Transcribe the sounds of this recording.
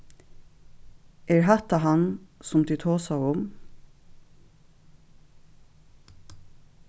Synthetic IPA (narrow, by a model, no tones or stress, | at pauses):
ʔeːɹɦɑt̪ɑɦɑnsʊmd̪iːt̪ʰoːsɑʊʊm